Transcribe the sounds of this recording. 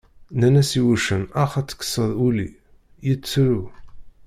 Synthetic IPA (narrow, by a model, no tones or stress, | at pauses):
nænæsiwuʃənɑχæt͡sːə̥kːə̥sˤəðˤulḭ | jit͡sːɾu